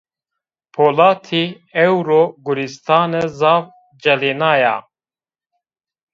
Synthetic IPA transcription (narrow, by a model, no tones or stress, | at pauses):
pʰoːlɑːt̪ʰi | ɛwɾoːɡʊɾist̪ɑːnɛzɑːv | d͡ʒɛleːnɑːjɑ̰